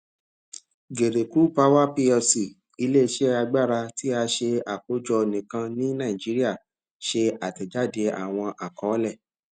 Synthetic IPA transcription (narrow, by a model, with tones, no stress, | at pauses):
ɡe˨ɾe˨ku˨˦pa˦wa˦pi˧ɔ˧si˨ | i˧le˦˧˨ʃe˦a˧ɡ͡ba˦˨ɾa˧ti˦a˧ʃe˧a˨ko˨˦d͡ʒɔ˧nĩ˨kã˧nĩ˦nã˦˨ĩ˨d͡ʒi˨˦ɾi˦a˦˨ | ʃe˧a˨tɛ˨d͡ʒa˦˨de˧a̰˨w̃ɔ̃˧ʔa˨kɔ̃˨˦lɛ˦˨